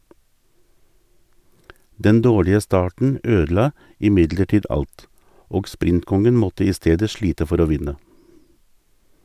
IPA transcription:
ˈdɛn ˈdoːɭɪə ˈstɑːʈɳ̩ ˈøːdl̩ˌɑː ɪˈmɪdləˌʈiːd ˈɑlt ˈoːɡ ˈspɾɪntˌkɔŋən ˈmɔtə ˈiː ˈsteːdə ˈʃɭiːtə ˈfɔɾ ˈoː ˈʋɪnə

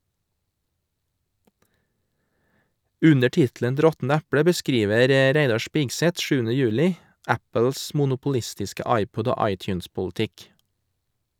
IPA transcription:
ˈʉnə ˈʈɪtlən t ˈɾɔtn̩ ˈæpɽə bəˈskɾiːʋəɾ ə ˈɾæɪdɑ ˈʃpɪɡsɛt ˈʃʉːənə ˈjʉːlɪ ˈæpəls mʊnʊpʊˈlɪstɪskə ˈɑɪˌpɔd ˈoː ˈɑɪˌtjʉːnspʊlˌtɪk

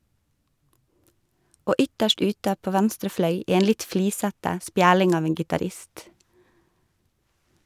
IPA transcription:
ˈoː ˈʏtəʃt ˈʉːtə ˈpoː ˈʋɛnstɾə ˈflœʏ ˈeːn ˈlɪt ˈfliːsətə ˈspjæːɽɪŋ ˈɑːʋ ˈeːn ɡɪtɑːˈɾɪst

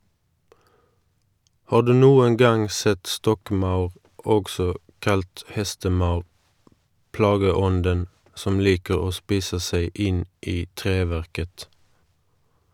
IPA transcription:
ˈhɑːʁ ˈdʉː ˈnuːəŋ ˈɡɑŋ ˈsɛt ˈstɔkˌmɑʉʁ ˈɔɡsɔ ˈkɑlt ˈhɛstəˌmɑʉʁ ˈplɑːɡəˌɔndən ˈsɔm ˈliːkəʁ ˈoː ˈspiːsə ˈseɪ ˈɪn ˈiː ˈtʁeːˌʋæʁkət

